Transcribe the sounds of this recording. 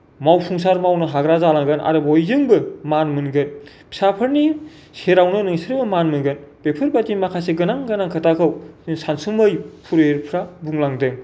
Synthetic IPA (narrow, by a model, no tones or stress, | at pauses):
mawpʰuŋsaɾmawnɯɦaɡɾazalaŋɡɯnʔa̰ɾɯbojzɯŋbɯmanmɯnɡɯn | pʰi̥sapʰɯɾni | seɾawnɯnɯŋsɾɯbɯmanmɯnɡɯnb̥epʰɯɾbatimakʰaseɡɯnaŋɡɯnaŋkʰɯtakʰɯwsansumɯjpʰuɾeɾpʰɾabuŋlaŋdɯŋ